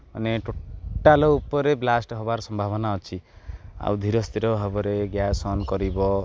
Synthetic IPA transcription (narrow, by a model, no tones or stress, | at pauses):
ɔneʈʰoʈːalɔupɔɾeblasʈɦɔbaɾɔsɔmbʱabɔnaɦɔt͡ʃʰia̰wd̪ʱiɾɔst̪ʰiɾɔɦɔbɔɾeɡjasɔnkɔɾibɔ